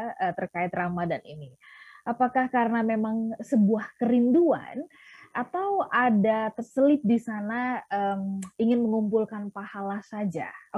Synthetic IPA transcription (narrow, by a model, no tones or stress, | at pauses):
ət̪ərkaɪt̪ramadanḭniʔapakahkaɾənamemaŋsəbuahkəɾindua̰n | ʔat̪awʔadat̪ərsəlɪt̪̚disanaəmiŋɪnməŋumpulkanpahalasad͡ʒa̰